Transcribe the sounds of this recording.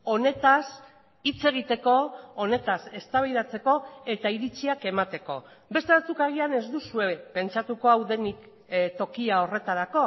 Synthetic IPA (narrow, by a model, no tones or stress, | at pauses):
o̞ne̞t̪as | it͡se̞ɣ̞it̪e̞ko̞ːne̞t̪ase̞st̪aβejðat͡se̞ko̞e̞t̪aiɾit͡siake̞mat̪e̞ko̞̰ | be̞st̪e̞βat͡sukaɣiane̞zd̪usue̞pe̞nt͡ʃat̪uko̞awðe̞nik | t̪o̞kiao̞re̞t̪aɾako̞